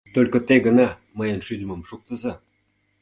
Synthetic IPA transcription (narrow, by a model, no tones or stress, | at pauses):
t̪olʲkŏt̪eɡənɑ | məjə̆nʃylmə̆mʃuk̚t̪ə̆zɑ